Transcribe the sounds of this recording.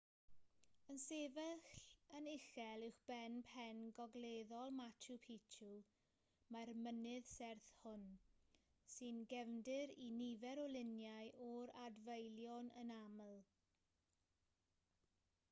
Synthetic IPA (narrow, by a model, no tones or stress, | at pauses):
ənsevɛxənɪxɛlˠɪwxb̥ɛnpʰɛnɡɔɡleðɔlˠmatʰupʰitʰu | marmənɨðsɛrθhʊn | sɨnɡɛvndɨɾinivɛɾɔlˠɪnjajʔɔɾadvejlˠjɔnə̰naməlˠ